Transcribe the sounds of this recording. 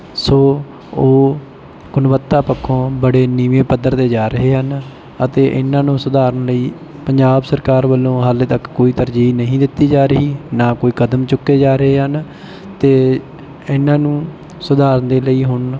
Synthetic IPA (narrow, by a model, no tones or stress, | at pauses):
soː | oː | ɡʊnʋət̪ːaːpəkʰːõːbəɽeːniːʋẽːpəd̪əɾd̪eːd͡ʒaːɾəɦeːɦən | ət̪eːʔɪ̰nãːnũːsʊd̪aːɾənləiː | pəɲd͡ʒaːbsəɾkaːɾʋəlːõːɦalt̪əkːoːiːt̪əɾd͡ʒiːnəɦĩːd̪ɪt̪ːiːd͡ʒaːɾəɦiːnãːkoːiːkəd̪əmt͡ʃʊkːeːd͡ʒaːɾəɦeːɦən | t̪eː | ɪnːãːnũː | sʊd̪aːɾənd̪eːləiːɦʊn